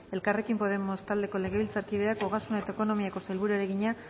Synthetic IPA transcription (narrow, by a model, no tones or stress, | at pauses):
e̞lkare̞kimpo̞ð̞e̞mo̞st̪ald̪e̞ko̞le̞ɣe̞βilt͡saɾkiðeako̞ɣasunae̞t̪aeko̞no̞miako̞sajlβuɾueɾe̞ɣiɲa